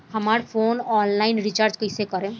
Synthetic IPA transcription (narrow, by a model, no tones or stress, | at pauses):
hɐmaːɾpʰoːnɔːnlaːɪnɾit͡ʃaːɾd͡ʒkəɪsekəɾẽ